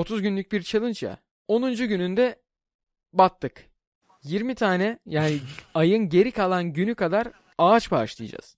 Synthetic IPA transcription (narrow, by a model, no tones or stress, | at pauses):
o̞t̪ʰuzɟynlʲyc̚biɾt͡ʃʰalˠɯnt͡ʃja̰ | o̞nund͡ʒuɟynynd̪ɛ | bat̪ːɯk | jiɾmit̪ʰaːnɛjaːniajɯnɟe̞ɾikʰalˠanɟynykʰad̪aɾ | aːt͡ʃbaːʃlˠɯj̰d͡ʒa̰z̥